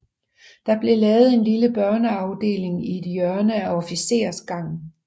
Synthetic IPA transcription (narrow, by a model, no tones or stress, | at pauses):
d̥ɑ̈b̥le̝lɛːʊð̩ˠe̝nliləb̥ɶɐnəɑ̈ʊd̥e̝̰ːle̝ŋie̝d̥jœɐnəæɒ̽fise̝̰ːɐsɡ̥ɑ̈ŋ̰